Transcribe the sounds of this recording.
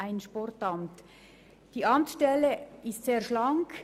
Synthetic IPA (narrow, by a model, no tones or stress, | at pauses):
aɪnʃpɔrtɑmt | d̥iːʔɑmtʃtɛləɪstseːʁʃlɑŋk